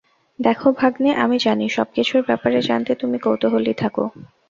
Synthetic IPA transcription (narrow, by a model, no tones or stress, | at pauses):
d̪ɛkʰobʱaɡneʔamid͡ʑaniʃɔ̰b̚kit͡ɕʰuɾbɛpaɾed͡ʑa̰nt̪et̪umikowt̪oɦolit̪ʰako̰